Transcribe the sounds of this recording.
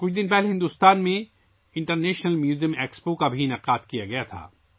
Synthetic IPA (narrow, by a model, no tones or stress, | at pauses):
kʊt͡ʃʰd̪ɪnpɛɦleɦɪ̃nd̪uːst̪aːnmẽ | ɪ̃ɳʈəɾneːʃnəlmjuːzijəmeːkspokabʱiɪnɐqaːt̪kijaɡɐjat̪ʰa̰ː